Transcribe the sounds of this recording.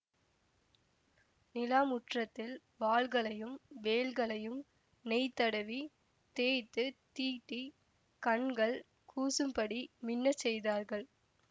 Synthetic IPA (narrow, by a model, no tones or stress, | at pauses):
nɪlaːmʊʈrɐt̪ːɪl | ʋaːɭɣɐɭɐjɯmʋeːlɣɐɭɐjɯm | nɛɪt̪ːɐɽɐʋi | t̪eːt̪ːɯt̪iːʈːi | kɐɳɡɐɭ | kʰuːsɯmpɐɽimɪnːɐt͡ʃːɛjðaːɾɣɐɭ